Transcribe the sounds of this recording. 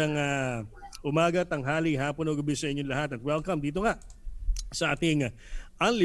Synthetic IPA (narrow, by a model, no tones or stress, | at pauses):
ɐŋɐ | ʔʊmaːɡɐt̪ɐŋɦaːlɪɦaːponoɡɐbɪsɐʔɪɲːonlɐɦat̪ɐt̪̚wɛlkɐmd̪iːt̪oŋa | sɐʔaːt̪ɪŋ | ʔɐŋlɪ